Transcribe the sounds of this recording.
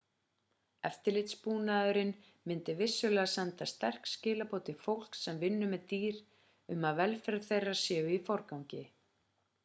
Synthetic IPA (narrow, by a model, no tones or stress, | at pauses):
ɛ̰ft̪ɪlɪt̪spuːnaðʏɾɪn | mɪnt̪ɪvɪsːʏlɛːɣasɛnt̪ast̪ɛr̥kscɪːlapoːwt̪ɪfowl̥ksɛmvɪnːʏmɛðt̪iːɾ̥ | ʏmaðvɛlfɛɾθejrːḁsjɛːɣʏifɔɾkawɲcɪ